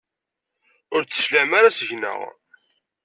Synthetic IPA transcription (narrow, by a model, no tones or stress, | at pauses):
ʊɾt͡sːə̥slæmaɾasəʝnə̰ʁ